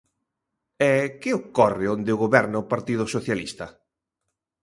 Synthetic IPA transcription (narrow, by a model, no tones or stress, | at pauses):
ɛkɪokɔrɪond̪ɪʊɣoβɛɾnɐʊpaɾt̪iðʊsoθjalḭst̪ɐ